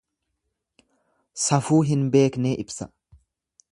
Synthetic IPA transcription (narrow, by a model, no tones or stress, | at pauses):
sɐfuːɦɪnbe̞ːkneːʔɪbsɐ